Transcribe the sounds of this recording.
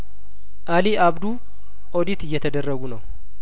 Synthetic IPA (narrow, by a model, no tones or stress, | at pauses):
ʔaliabd̪u | ʔod̪it̪ɨjːɛt̪ʰəd̪ərːəɡunəw